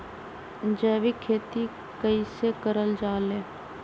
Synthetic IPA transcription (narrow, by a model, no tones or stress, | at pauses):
d͡ʒɛːʋikʰːeːt̪i | kəisekəɾəld͡ʒaːleː